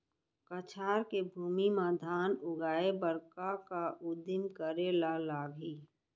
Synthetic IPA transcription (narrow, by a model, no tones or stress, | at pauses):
kət͡ʃʰaːɾkebʱuːmimad̪ʱaːnʊɡaːebəɾkakaʔʊd̪ɪmkəɾelalaːɡɦiː